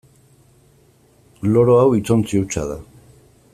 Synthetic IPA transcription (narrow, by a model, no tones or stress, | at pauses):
loɾoawit͡sont͡siut͡sa̰ða̰